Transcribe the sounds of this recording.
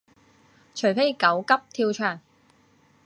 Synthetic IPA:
t͡ʃʰɵ˨˩ɥfe˥jkɐ˨˥wkɐ˥p̚t̪ʰiː˧wt͡ʃʰœː˨˩ŋ

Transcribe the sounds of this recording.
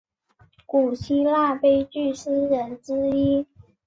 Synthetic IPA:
ku˨˩ɕʰi˥la˥˩pe˥ɪt͡ɕy˥˩ʂ̩˥ɻə˧˥nʈ͡ʂɻ̩˥i˥

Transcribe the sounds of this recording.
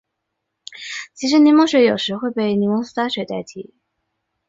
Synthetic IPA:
t͡ɕʰi˧˥ʂ̬ɻ̩˧˥ni˧˥mɔ˥ɕɥɛ˧˥jo˨˩ʊʂɻ̩˧˥xwe˥˧ɪpe˥˩ɪni˧˥kʊ˥ŋs̩˥t̪a˥ɕɥɛ˨˧ɪt̪a˥˩ɪt̪ʰḭ˧˩˦

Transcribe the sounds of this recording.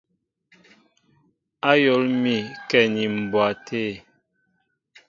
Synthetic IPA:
a˦jɔ˨˦lmi˨kɛ˦˨ni˨m̩˨bwa˨tʰe˦˨

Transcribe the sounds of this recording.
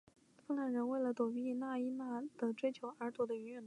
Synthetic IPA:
fə˥ŋla˥˩nɻə˧˥nwe˥˩ɪlə˩t̪wɔ˨˩y˧˥i˧˩na˥˩i˥na˥˩d̪̥ə˨ʈ͡ʂwe˥ɪt͡ɕʰjo˧˥ʊʔə˞˧˥t̪wɔ˧˥d̪ə˧y˧˥ɥɛ˥˩n˥

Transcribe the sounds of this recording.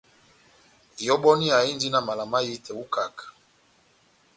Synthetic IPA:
i˨jɔ˦ɓɔ˦ni˦a˨i˦ndi˦na˨ma˨la˨ma˦ji˦tʰɛ˨u˦ka˨kḁ˨

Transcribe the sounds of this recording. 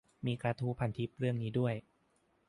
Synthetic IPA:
miː˧kɾaː˧t̪ʰuː˦˥pʰa˨˩˦nt̪ʰi˦˥p̚ɾɯ˥˩əŋniː˦˥du˥˩əj

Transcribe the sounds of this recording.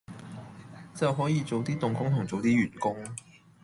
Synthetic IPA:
t͡sɐ˨wɦɔː˨˥jiː˨˧t͡so˨wt̪iː˥t̪ʊ˨ŋkʊ˥ŋt̪ʰʊ˨˩ŋt͡so˨wt̪iː˥ɥyː˨˩nkʊ˥ŋ

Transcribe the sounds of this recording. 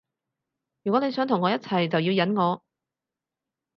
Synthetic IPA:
jyː˨kʷwɔ˨˥ne˨˧jsœː˨˥ŋt̪ʰʊ˨˩ŋːɔː˨˥jɐ˥t̚t͡sʰɐ˨˩jt͡sɐ˨wjiː˧wjɐ˨˥nŋɔː˨˧

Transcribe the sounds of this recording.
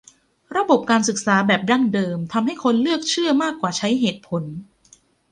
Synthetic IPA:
ɾa˧bo˨˩p̚kaː˧nsɯ˨˩k̚saː˩˦bɛː˨˩p̚da˥˩ŋdɤː˧mt̪ʰa˧mɦa˥˩jkʰo˧nlɯ˥˩ək̚t͡ɕʰɯ˥˩ɐmaː˥˩kːwaː˨˩t͡ɕʰa˦˥jɦeː˨˩t̪̚pʰo˩˦n

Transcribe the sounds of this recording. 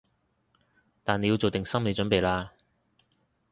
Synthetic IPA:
t̪aː˨ne˧ji˧wt͡so˨wt̪ɪ˨ŋsɐ˥mle˨˧t͡ʃɵ˨˥npe˨jlaː˧

